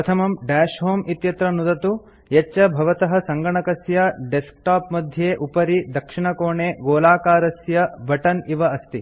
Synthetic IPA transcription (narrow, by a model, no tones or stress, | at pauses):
ɐt̪ʰɐmɐmɖæːʂɦoːmit̪jɐt̪ɾɐnud̪ɐt̪u | jet͡ʃːɐbʱɐʋɐt̪ɐɦɐsɐŋɡɐɳɐkɐsjɐɖesk̚ʈaːpmɐd̪ʱjeːʔupɐɾid̪ɐkʂiɳɐkoːɳeːɡoːlaːkaːɾɐsjɐbʱɐʈɐniʋɐɐst̪i